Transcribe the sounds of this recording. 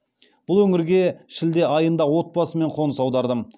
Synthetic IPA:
b̥ʊlˠwɵŋɪɾɡʲe̞ʃɪld̪e̞ʔɑjənd̪ɑwo̞t̪̚bɑsəme̞ɴqʰo̞nəsɑwd̪ɑɾd̪əm

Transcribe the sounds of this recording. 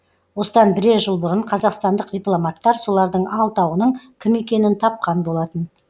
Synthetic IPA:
wo̞səd̪ɑnbɪɾe̞ʒəlˠbʊɾəɴqʰɑzɑqst̪ɑnd̪əqd̪ʲijplˠomat̪ːɑɾso̞lˠɑɾd̪əɴɑlˠt̪ɑwənəɴkʲʰɪme̞kʲe̞nɪnt̪ʰɑp̚qɑnbo̞lˠɑt̪ən

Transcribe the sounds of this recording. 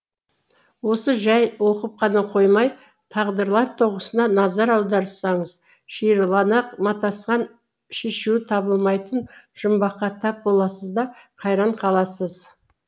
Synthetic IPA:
wo̞səʒɑjwo̞qəp̚qʰɑnɑqʰo̞jmɑj | t̪ʰɑʁd̪əɾlˠɑɾt̪ʰo̞ʁəsənɑnɑzɑɾɑwd̪ɑɾsɑɴəz | ʃijɾlˠɑnɑqmɑt̪ɑsqɑn | ʃe̞ʃuɪt̪ʰɑbəlˠmɑjt̪ənʒ̥ʊmbɑqːɑt̪ʰɑp̚bo̞lˠɑsəzd̪ɑqʰɑjɾɑɴqʰɑlˠɑsəz

